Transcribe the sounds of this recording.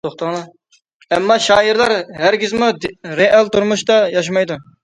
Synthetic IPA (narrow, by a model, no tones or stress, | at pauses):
t̪oχt̪ɑnɨ | ɛmːɑʃɑːjiɾlˠɑɾhæɾɡʲizmuɾeʔɑlˠt̪uɾmuʃt̪ɑjɑʃ̬mɑjd̪u